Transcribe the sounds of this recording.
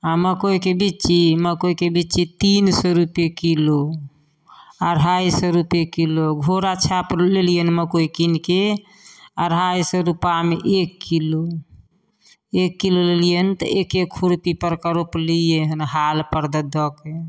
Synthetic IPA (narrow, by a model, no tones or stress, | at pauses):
aməkojkebit͡ʃiməkojkebit͡ʃit̪insɔɾupjekilo | əɾɦajsɔɾupjekiloɡʱoɾat͡ʃʰaplelijənməkokinke | əɾɦajsɔɾupameʔekːilo | ekːilolelijent̪ɔ̰ʔekekʰuɾupipəɾkəɾoplijeɦənɦalpəɾd̪əd̪ɔke